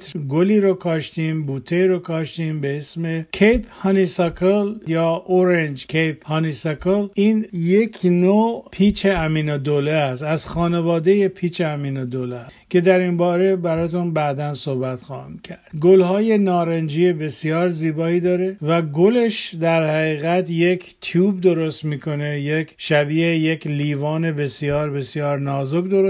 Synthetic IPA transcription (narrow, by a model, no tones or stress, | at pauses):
t̪ɡoliːɾokʰɒːʃt̪iːmbuːt̪ʰeiɾokʰɒːʃt̪iːmbeesme̞kʰejphɑːnisɑkʰeljɒːoɾend͡ʒkʰejphɒːnisɑkʰeliːnje̞kʰnopʰiːt͡ʃʰeæmiːnod̪oleæst̪æzxɒːnevɒːd̪eje̞pʰiːt͡ʃʰeæmiːnod̪oleskʰʲe̞d̪æɾinbɒːɾe̞bæɾɒːt̪ʰunbæd̪ænso̞hbæt̪xɒːhḭmcʰæɾd̪̥ɡolhɒːje̞nɒːɾend͡ʒiːebe̞sijɒːɾziːbɒːiːd̪ɒːɾe̞væɡole̞ʃd̪æɾhæɣiːɣæt̪je̞kʰt̪ʰjuːbd̪o̞ɾo̞st̪miːkʰo̞ne̞jekʰʃæbiːejekʰliːvɒːne̞be̞sjɒːɾbe̞sjɒːɾnɒːzokd̪oɾo